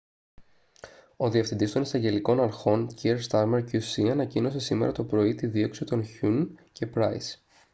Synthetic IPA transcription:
o̞ðiɐfθind̪ist̪o̞nisɐɲɟe̞liko̞nɐɾxo̞nciɾst̪ɐɾmeɾcusiɐnɐcino̞se̞sime̞̰ɾɐ̰t̪o̞pɾo̞it̪iðio̞ksit̪o̞nçunce̞pɾɐis

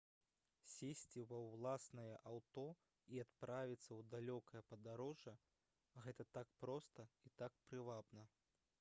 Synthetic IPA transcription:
sʲesʲt͡sʲivɐwlˠasnɐjɐʔawt̪ɔ | iat̪pɾavʲit̪sːɐwd̪alʲɔkɐjɐpɐd̪aɾɔʐɐ | ɣɛt̪ɐt̪akpɾɔst̪ɐit̪ak̚pɾɨvabnɐ

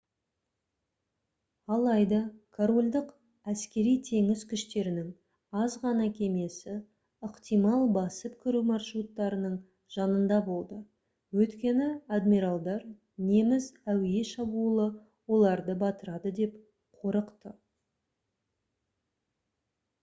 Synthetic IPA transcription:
ɑlˠɑjd̪ɑkʰoɾo̞lʲd̪əq | æskʲe̞ɾijt̪ʰe̞ŋɪzkʲʰʏʃt̪e̞ɾɪnɪŋ | ɑzʁɑnɑkʲʰe̞me̞sɪ | əqt̪ijmɑlˠbɑsəpkʲʰʏɾumɑrʃɾut̪ːɑɾənəɴ | ʒ̥ɑnənd̪ɑbo̞lˠd̪ə | wɵt̪kʲe̞nɪad̪miɾɑlˠd̪ɑɾ | ne̞mɪzæwɪje̞ʃɑbuəlˠə | wo̞lˠɑɾd̪əbɑt̪əɾɑd̪əd̪e̞p | qʰo̞ɾəqt̪ə

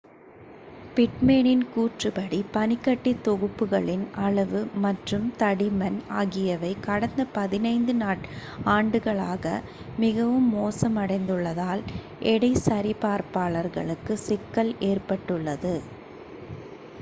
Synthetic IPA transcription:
pɪʈmeːnɪnkuːʈrɯpɐɽipɐnɪkːɐʈːit̪ːɔɣɯpːɯɣɐɭɪnɐɭɐʋɯmɐʈrɯmt̪ɐɽɪmɐnaːɣɪjɐʋɐɪkɐɽɐnd̪ɐpɐðɪnɐɪnd̪ɯnaːʈaːɳɖɯɣɐɭaːɣɐ̰ | mɪɣɐʋɯmːoːsɐmɐɽɐɪnd̪ɯɭːɐðaːl | ʔɛɽɐɪsɐɾɪpaːɾpaːɭɐɾɣɐ̰ɭɯkːɯsɪkːɐleːrpɐʈːɯɭːɐðɯ

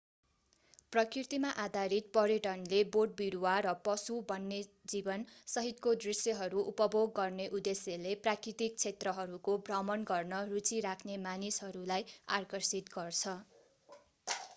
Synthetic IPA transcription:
prʌkirt̪imaʔad̪ʱaɾit̪̚pʌɾiʈʌnleborɖ̚biɾuwaɾʌpʌsubʌnːed͡zibʌnsʌɦit̪kod̪risjʌɦʌɾuʔupʌboɡːʌrneʔud̪esjeleprakrit̪ik̚t͡sʰet̪rʌɦʌɾukobʱrʌmʌnɡʌrnʌrut͡siɾakʰnemanisɦʌɾulaja̰rkʌrsit̪ɡʌrt͡sʰʌ

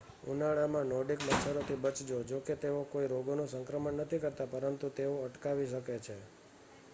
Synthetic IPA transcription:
ṵnaɭamãnɔɖikbət̪ːʃʰəɾot̪ʰibət͡ʃd͡ʒod͡ʒoket̪eokoiɾoɡonũsəŋkɾəmənːət̪ʰikəɾt̪apəɾənt̪ut̪eoəʈkaʋiʃəket͡ʃʰe

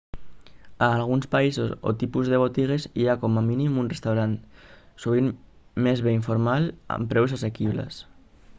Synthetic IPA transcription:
aːlɣ̞unspaisoso̰t̪ipuzðeβ̞ot̪iɣ̞eziakomaminimunrest̪awɾan | suβ̞in | mezβeiɱfoɾmala̰mpɾɛws̬asekiβlḛs

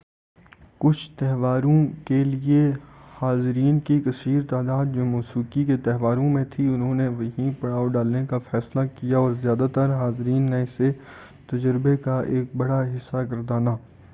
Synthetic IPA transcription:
kʊt͡ʃʰt̪ɛɦʋaːɾõkeliehaːzɾiːnkikɐsiːɾt̪aːd̪aːd̪̚d͡ʒoːmoːsuːkiket̪ɛɦʋaːɾõmẽt̪ʰiʊnɦõneʋɐɦĩpɐɽaːoɖaːlnekafɛːslakijaɔːɾzjaːd̪at̪əɾɦaːzɾiːnːẽɪse | t̪ɐd͡ʒəɾbekaʔeːk̚bɐɽaɦɪsːakɐɾd̪aːnaː

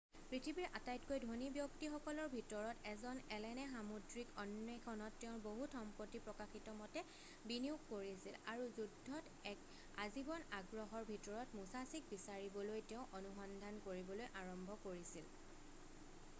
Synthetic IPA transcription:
pɹitʰibiɹʔatajtkojdʱonibjɔktixɔkɔlɔɹbʱitɔɹɔtɛzɔnɛlɛnɛxamudɹikɔnːɔkʰɔnɔtːeʊ̃boɦutʰxɔmpɔtːipɹɔkaxitɔmɔtɛ | biniʊkːoɹiasilaɹuzudʱːɔt | ɛk | azibɔnaɡɹɔɦɔɹbʱitɔɹɔtmusasik̚bisaɹibɔlojteʊ̃ʔonuxɔndʱankoɹibɔlojʔaɹɔmbʱɔkoɹisil

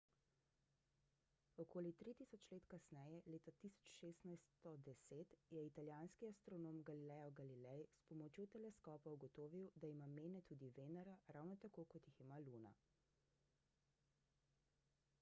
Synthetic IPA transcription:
ɔkoːlit̪ɾit̪isɔt͡ʃleːt̪kasnɛjɛleːt̪at̪isɔ̥t͡ʃʃeːst̪najst̪ɔd̪ɛseːt̪jɛit̪aljaːnskiast̪ɾɔnoːmɡalilɛːjɔɡalilɛjspɔmɔt͡ʃjot̪ɛlɛskɔːpauɡɔt̪oːʋiwd̪aimameːnɛt̪uːd̪iʋeːnaɾaɾawnɔt̪akokɔt̪jiximaluːna̰

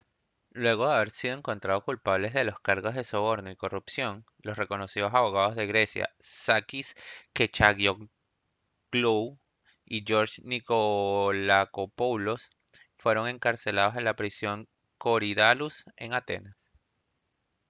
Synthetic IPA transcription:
lwe̞ɣ̞o̞ðeaβe̞ɾsiðoe̞ŋko̞nt̪ɾað̞o̞kulpaβle̞zðe̞lo̞skaɾɣo̞zðe̞so̞β̞o̞ɾnoiko̞rupsjo̞ŋ | lo̞sre̞ko̞no̞siðo̞saβo̞ɣ̞að̞o̞zðe̞ɣɾe̞sja̰sakisket͡ʃaɣjo | ɡlu | iʝo̞ɾd͡ʒnikolakopolos | fwe̞ɾo̞ŋe̞ŋkaɾse̞lað̞o̞se̞nlapɾisjo̞ŋ | koɾiðaluse̞ŋat̪e̞̰nas

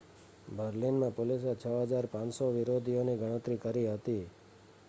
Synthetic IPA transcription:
bʱəɾlinmãpolis̬et͡ʃʰəɦəd͡ʒaɾpãnsoʋɪɾod̪ʱijoniɡəɽ̃ə̃t̪ɾikəɾiɦət̪i

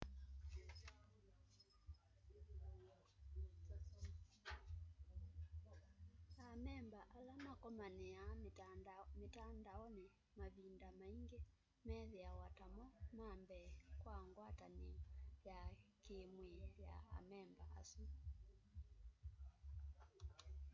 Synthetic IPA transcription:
amɛmbaʔalamakɔmanɛja | metandaɔnɛ | maβindamaiŋɡɛ | mɛðɛawatamɔmambɛkwaŋɡwatanejakemweja̰a̰mɛmba̰ʔa̰su

